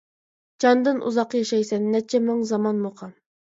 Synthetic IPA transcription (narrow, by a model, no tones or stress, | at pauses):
d͡ʒɑnd̪ɨnʔṵzɑqjɑʃɑjsɛnːɛt͡ʃʰɛmoŋzɑmɑnmoqʰɑm